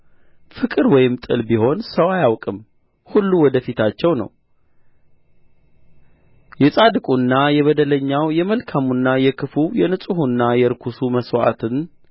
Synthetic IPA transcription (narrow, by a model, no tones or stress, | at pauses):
fɨkʼɨɾwɔjɪmt̪ʼɨ̰lbiho̞nsəwajawkʼɨm | hulːuwɔd̪əfit̪ʰat͡ʃːɛwnə̰w | jɛsʼad̪ɨkʼunːajɛβəd̪ələɲːawjɛməlkʰamunːajɛkʰɨfujɛnɨsʼuhunːajɛɾkʰusuməswa̰t̪ʰɨn